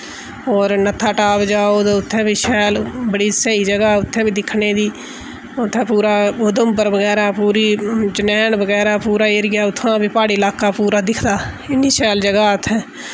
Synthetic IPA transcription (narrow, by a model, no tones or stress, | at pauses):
ɔːɾnət̪ʰaːʈaːbd͡ʒaːooːd̪eːʊt̪ʰːɛ̃ːbiːʃɛːlbəɽiːsəiːd͡ʒəɡaːʊt̪ʰːẽːbiːd̪ɪkʰɳeːd̪iː | ʊt̪ʰːɛ̃ːpuːɾaːʊd̪əmpəɾbəɡɛːɾaːpuːɾiːt͡ʃənɛːnbəɡɛːɾaːpuːɾaːeɾɡjaːʊt̪ʰːãːbiːpaːɽiːlaːkaːpuːɾaːd̪ɪkʰd̪aː | ɪnːiːsɛːld͡ʒəɡaːt̪ʰːɛ̃ː